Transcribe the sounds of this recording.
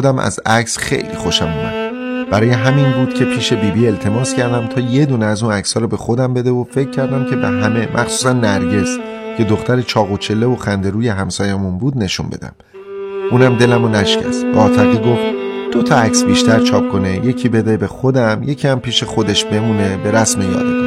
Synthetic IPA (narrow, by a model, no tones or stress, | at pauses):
d̪æmæ̰zæcsxe̞̰jlḭːxo̞ʃæmumæ̰d̪b̥æɾɒːje̞ɦæminbuːd̪̥cʰe̞pʰiːʃe̞biːbiːe̞lt̪ʰe̞mɒːskcʰæɾd̪æmt̪ʰɒːje̞d̪uːneæzuːnæcsɒːɾɔbe̞xo̞d̪æmbe̞d̪e̞vofe̞cʰːæɾd̪æmcʰe̞be̞ɦæme̞mʔæxsuːs̬ænːæɾɟe̞scʰe̞d̪o̞xt̪æɾet͡ʃʰɒːɣot͡ʃʰe̞lːe̞voxænd̪e̞ɾuːje̞ɦæmsɒːjemunbuːd̪ne̞ʃṵnbe̞̰d̪æ̰m | ʔuːnæmd̪e̞læmonæʃcæ̰sbeɒːt̪ʰæɣiːɡo̞ft̪d̪̥ot̪ʰɒæcsbiːʃt̪æɾt͡ʃʰɒːp̚kʰo̞neje̞cʰiːbe̞d̪e̞be̞xod̪æmje̞cʰiæmpʰiːʃe̞xo̞d̪eʃbe̞muːne̞be̞ɾæsme̞jɒ̰ːd̪i